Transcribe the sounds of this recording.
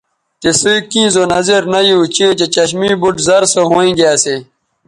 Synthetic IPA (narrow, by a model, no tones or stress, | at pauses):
t͡ɕesikĩːzoːnɐzeɾnɐiut͡ɕet͡ɕet͡ɕɐɕmiːbuʈzɐɾsoɦõːĩːɡaːse